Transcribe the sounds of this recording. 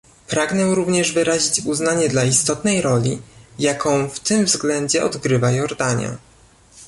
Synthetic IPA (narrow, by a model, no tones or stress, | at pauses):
pɾaɡnɛɾuvɲɛʐvɘɾaʑit͡ɕuznaɲɛd̪laist̪ɔt̪nɛjɾɔlʲijakɔ̃w̃ft̪ɘmvzɡlɛɲd͡ʑɛɔd̪ɡɾɘvajɔɾd̪aɲa̰